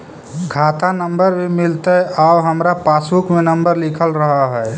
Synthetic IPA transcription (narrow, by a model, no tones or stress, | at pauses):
ɡʱat̪anəmbəɾmemilt̪əabɦəmɾapasukmenəmbəɾlikʰəlɾəɦəɦɛː